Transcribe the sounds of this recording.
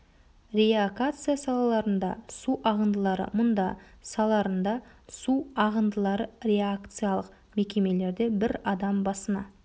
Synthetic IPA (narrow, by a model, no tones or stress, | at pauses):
ɾʲeaɡat̪sɨjasɑlˠɑlˠɑɾənd̪ɑ̰suʔɑʁənd̪əlˠɑɾə̰mʊnd̪ɑ | sɑlˠɑɾənd̪ɑsuɑʁənd̪əlˠɑɾəɾʲe̞akt̪sɨjalˠəq | me̞kʲe̞me̞le̞ɾd̪e̞bɪɾɑd̪ɑmbɑsənɑ̰